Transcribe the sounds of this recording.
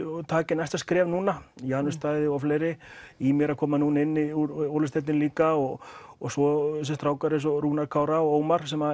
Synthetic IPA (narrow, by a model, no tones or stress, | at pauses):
t̪ʰaːcɪnajst̪askɾɛːvnuːnajanʏst̪aːjðɪɔfleːjɾɪimjɛɾakʰɔːmanuːnaɪnːɪuɾowlɪst̪ɛt̪ɪnliːkaɔɣɔsɔs̬ɛst̪ɾaːwkaɾɪs̬ɔɾuːnaɾkʰaːwɾaɔoːwmaɾ̥sɛma